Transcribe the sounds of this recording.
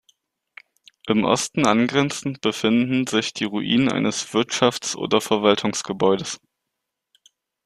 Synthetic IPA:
ʔɪmʔɔ̰stn̩ʔanɡʁɛnt͡sn̩tb̥əfɪndn̩zɪçd̥iːʁuʔḭːnənʔa̰ɪnəsv̥ɪɐtʃaft͡sʔo̰ːdɐfɛɐvaltʰʊŋsɡ̥əbɔʏdəs

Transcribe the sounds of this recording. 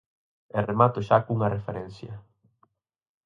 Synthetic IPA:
eremat̪ʊʃakuŋɐrefeɾɛ̃n̟θjɐ

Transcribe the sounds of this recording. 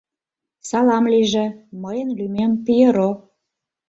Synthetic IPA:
sɑlɑmliʒĕməjənlymempijeɾo

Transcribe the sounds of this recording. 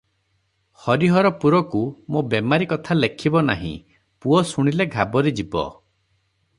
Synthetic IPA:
hɔɾiɦɔɾɔpuɾɔkumobemaɾikɔt̪ʰalekʰibɔna̰ɦḭ̃ | puɔsuɽ̃ileɡʱabɔɾed͡ʒibɔ̰

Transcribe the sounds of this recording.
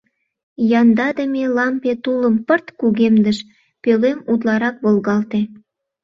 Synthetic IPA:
jɑnd̪ɑd̪əmʲelɑmpet̪uləmpərt̪kuɣemd̪əʃ | pølemud̪lɑɾɑk̚βolɣɑlt̪e

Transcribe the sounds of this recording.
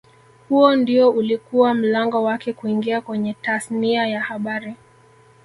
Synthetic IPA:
huɔndiɔulikuwam̩laŋɡɔwakɛkuiŋɡiakwɛɲɛtaθniajahaɓaɾi

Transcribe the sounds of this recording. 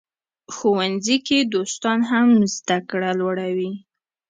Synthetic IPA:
xowanziked̪ost̪ɑnɦamzd̪akɽalwaɽawi

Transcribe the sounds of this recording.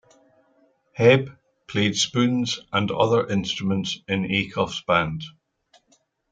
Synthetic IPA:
hɛb | pʰl̥ed̥spʉ̃nzʔə̃nʌ̰ðə˞ʔɪ̃nstɹ̥əmə̃ntsɪ̃nekʰɔfsb̥ãnd̥

